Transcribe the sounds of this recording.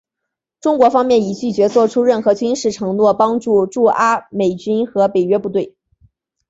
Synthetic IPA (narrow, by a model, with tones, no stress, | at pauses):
ʈ͡ʂʊ˥ŋkwɔ˧˥fɑ˥ŋmjɛ˥˩ni˨˩t͡ɕy˥˩t͡ɕɥɛ˧˥t͡swɔ˥˩ʈ͡ʂʰu˥ɻə˥˩nxɤ˧˥t͡ɕy˥nʂɻ̩˥˩ʈ͡ʂʰɤ˧˥ŋnwɔ˥˩pɑ˥ŋʈ͡ʂu˥˧ʈ͡ʂu˥˩ʔa˥me˨˩ɪt͡ɕy˥nxɤ˧˥pe˨˩ɪɥɛ˥pu˥˧t̪we˥˩ɪ